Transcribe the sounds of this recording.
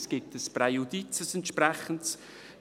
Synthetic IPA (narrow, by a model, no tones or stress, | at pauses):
sɡ̥ɪtəspɾɛjudit͡səsɛntʃpɾɛχənts